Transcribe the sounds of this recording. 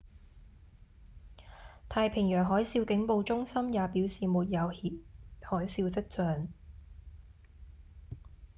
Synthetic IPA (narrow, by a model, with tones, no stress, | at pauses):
t̪ʰaː˧jpʰɪ˨˩ŋjœː˨˩ŋɦɔː˨˥jsiː˧wkɪ˨˥ŋpo˨˧wt͡sʊ˥ŋsɐ˥mjaː˨˧piː˨˥wsiː˨muː˨t̚jɐ˨˧whiː˨˥p̚hɔː˨˥jsiː˧wt̪̬ɐ˥k̚t͡sœː˨ŋ